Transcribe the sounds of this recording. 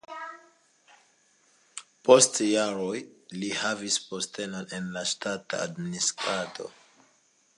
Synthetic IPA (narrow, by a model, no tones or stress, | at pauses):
po̞stjaɾo̞jlihavispo̞ste̞none̞nlaʃtata̰ːdministɾado̞̰